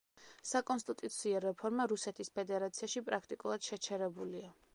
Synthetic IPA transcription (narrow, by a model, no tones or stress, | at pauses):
sakʼɔnst̪ʼit̪ʼut̪sʰiɔɾɛpʰɔɾmaɾusɛt̪ʰispʰɛd̪ɛɾat̪sʰiaʃipʼɾakʰt̪ʼikʼulˠad̪̥ʃɛt͡ʃʰɛɾɛbulia